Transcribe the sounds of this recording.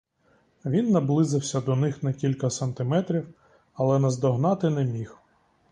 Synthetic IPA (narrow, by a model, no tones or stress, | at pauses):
ʋʲinːɐblˠɪzɪwsʲɐd̪ɔnɪxnɐkʲilʲkɐsɐnt̪ɪmɛt̪ɾʲiw | ɐlˠɛnɐzd̪ɔɦnɑt̪ɪnɛmʲix